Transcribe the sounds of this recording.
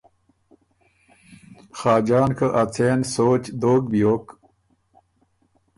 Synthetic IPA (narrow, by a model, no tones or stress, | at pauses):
xaːd͡ʑaːnkʰəʔɐt͡sʰensoːt͡ɕd̪oːk̚bijoːk